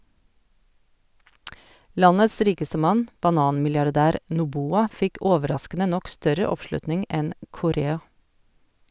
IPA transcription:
ˈlɑnəs ˈɾiːkəstə ˈmɑn bɑˈnɑːnmɪljɑɾˌdæːɾ nʊˈbuːɑ ˈfɪk ˈoːʋəˌɾɑskənə ˈnɔk ˈstœɾə ˈɔpˌʃlʉtnɪŋ ˈɛn kʊˈɾeːɑ

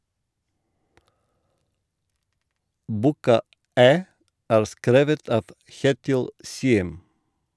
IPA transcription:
ˈbuːkɑ ˈæː ˈæːɾ ˈskɾeːʋət ˈɑːʋ ˈçeːtɪl ˈsiːəm

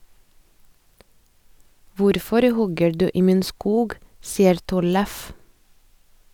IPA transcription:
ˈʋʊɾfɔɾ ˈhɔɡə ˈɖʉː ˈiː ˈmiːn ˈskuːɡ ˈsiːəɾ ˈtɔləf

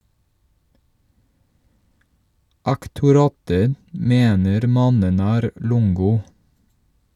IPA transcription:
ɑktʊˈɾɑːtə ˈmeːnəɾ ˈmɑnən ˈæːɾ ˈlʊŋɡʊ

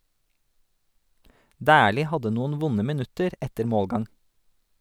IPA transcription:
ˈdæːliː ˈhɑdə ˈnuːn̩ ˈʋʊnə mɪˈnʉtəɾ ˈɛtəɾ ˈmoːlˌɡɑŋ

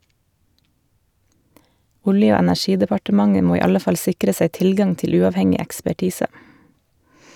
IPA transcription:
ˈʊljə ˈoː ɛnæˈʃiːdəpɑʈəˌmɑŋə ˈmoː ˈiː ˈɑlə ˈfɑl ˈsɪkɾə ˈsæɪ ˈtɪlˌɡɑŋ ˈtɪl ˈʉːɑʋˌhɛŋɪ ɛkspæˈʈiːsə

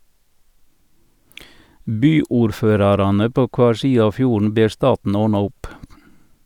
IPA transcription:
ˈbyːʊɾˌføːɾɑɾɑnə ˈpoː ˈkʋɑːɾ ˈsiːə ˈɑː ˈfjuːɳ̩ ˈbeːɾ ˈstɑːtn̩ ˈoːɳɑ ˈʊp

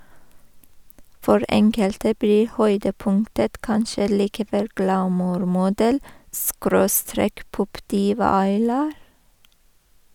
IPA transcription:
ˈfɔɹ ˈɛŋkəltə ˈbliː ˈhœʏdəˌpʊŋtət ˈkɑnʃə liːkəˈʋɛl ɡlɑˈmuːɾmʊˌdɛl ˈskɾoːˌstɾeːk ˈpɔpˌdiːʋɑ ɑɪˈlɑːɾ

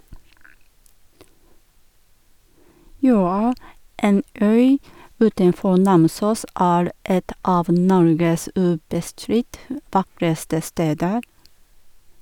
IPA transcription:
ˈjøːɑ ˈeːn ˈœʏ ˈʉːtənˌfɔ ˈnɑmˌsuːs ˈæːɾ ˈɛt ˈɑːʋ ˈnɔɾɡəs ˈʉːbəˌstɾɪt ə ˈʋɑkɾəstə ˈsteːdəɾ

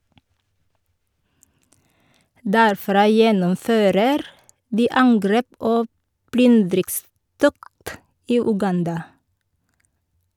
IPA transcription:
dæɾˈfɾɑː ˈjɛnɔmˌføːɾəɾ ˈdiː ˈɑŋɡɾeːp ˈoː ˈplʏndɾɪkˌstɔkt ˈiː ʉˈɡɑndɑ

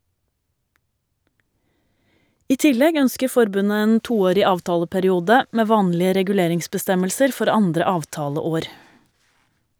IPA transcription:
ˈiː ˈtɪlɛɡ ˈœnskə ˈfɔɾbʉnə ˈeːn ˈtuːˌoːɾɪ ˈɑːʋˌtɑːləpæɾɪˌuːdə ˈmeː ˈʋɑːnlɪə ɾɛɡʉˈleːɾɪŋsbəˌstɛməlsəɾ ˈfɔɾ ˈɑndɾə ˈɑːʋˌtɑːləˌoːɾ

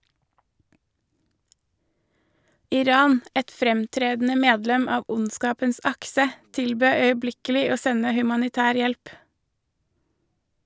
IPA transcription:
ɪˈɾɑːn ˈɛt ˈfɾɛmˌtɾeːdn̩ə ˈmeːdlɛm ˈɑːʋ ˈʔʊnˌskɑːpəns ˈɑksə ˈtɪlˌbøː œʏəˈblɪkəlɪ ˈoː ˈsɛnə hʉmɑnɪˈtæːɾ ˈjɛlp

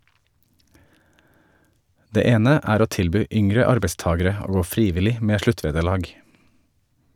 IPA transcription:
ˈdeː ˈeːnə ˈʔæːɾ ˈoː ˈtɪlˌbyː ˈʔʏŋɾə ˈɑɾbəˌstɑːɡəɾə ˈoː ˈɡoː ˈfɾiːˌʋɪlɪ ˈmeː ˈʃɭʉˌtʋeːdəˌɭɑːɡ

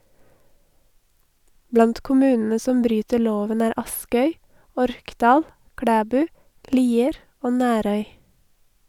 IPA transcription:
ˈblɑnt kʊˈmʉːnn̩ə ˈsɔm ˈbɾyːtəɾ ˈloːʋən ˈæːɾ ˈɑskœʏ ˈɔɾkˌdɑːl ˈkɽæːˌbʉː ˈliːəɾ ˈoː ˈnæːɾœʏ

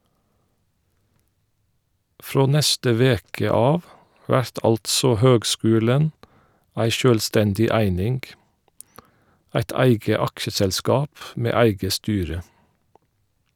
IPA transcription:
ˈfɹoː ˈnɛstə ˈʋeːkə ˈɑːʋ ˈʋæɹt ˈɑltsɔ ˈhøːɡˌskʉːlən ˈæɪ ˈʃøːlˌstɛndɪ ˈæɪnɪŋɡ ˈæɪt ˈæɪɡə ˈɑkʃəsɛlˌskɑːp ˈmeː ˈæɪɡə ˈstyːɹə

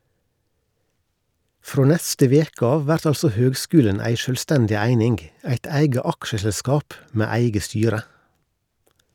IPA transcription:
ˈfɾoː ˈnɛstə ˈʋeːk ˈɑː ˈʋæɾt ˈɑlsɔ ˈhøːɡˌskʉːlən ˈæɪ ˈʃøːlˌstɛndɪ ˈæɪnɪŋɡ ˈæɪt ˈæɪɡə ˈɑkʃəsɛlˌskɑːp ˈmeː ˈæɪɡə ˈstyːɾə

